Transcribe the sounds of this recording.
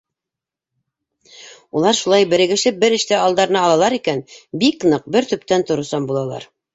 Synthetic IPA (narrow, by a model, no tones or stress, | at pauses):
ulˠɑɾʃulˠɑjbɘ̆ɾɘ̆ɡɘ̆ʃlɘp̚bɘɾɘ̆ʃt̪æɑlˠd̪ɑɾɤnɑːlˠɑlˠɑɾikænbiknɤq̚bɘɾt̪ɵ̆pt̪ænt̪ŏɾŏsɑmbulˠɑlˠɑ̰ɾ